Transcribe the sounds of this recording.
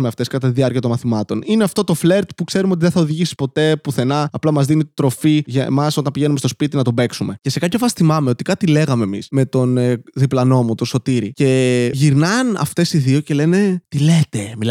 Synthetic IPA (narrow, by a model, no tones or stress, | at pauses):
meɐft̪e̞skɐt̪ɐt̪iðiɐɾciɐt̪o̞mɐθimɐt̪o̞nineɐft̪o̞t̪o̞fle̞ɾt̪pukse̞ɾumot̪̬iðeθɐoðiʝisi̥po̞t̪e̞puθe̞nɐːplɐmɐzðinit̪ɾo̞fiʝɐmɐso̞t̪ɐnpiʝe̞numest̪o̞spit̪inɐt̪obeksume̞ce̞se̞kɐpʰçofɐsθimɐmeo̞t̪i̥kɐt̪ile̞ɣɐme̞ːmḭsme̞t̪o̞nðiplɐno̞mut̪oso̞t̪iɾice̞ʝiɾnɐnɐ̰ft̪e̞siðioce̞le̞ne̞t̪ilet̪e̞mil